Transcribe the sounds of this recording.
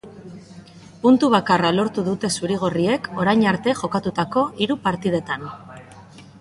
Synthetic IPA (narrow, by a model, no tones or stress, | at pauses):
punt̪uβ̞akaralo̞ɾt̪uðut̪e̞suɾiɣ̞o̞rie̞ko̞ɾajɲaɾt̪e̞ʝo̞kat̪ut̪ako̞ʔiɾupaɾt̪ið̞e̞t̪an